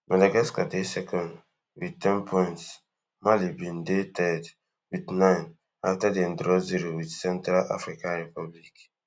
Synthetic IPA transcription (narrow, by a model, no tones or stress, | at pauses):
madaɡaskadesɛkɔ̃nd | witɛ̃npʰɔ̃ns | malibĩndetʰɛd | widnãɪ̃n | aftadẽndɾɔziɾowidsɛ̃ntɾala̰fɾikãnɹipablik